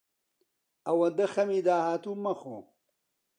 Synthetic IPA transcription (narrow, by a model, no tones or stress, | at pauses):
ɐwɐd̪ɐxɐmiːd̪aːhaːt̪umɐxo̰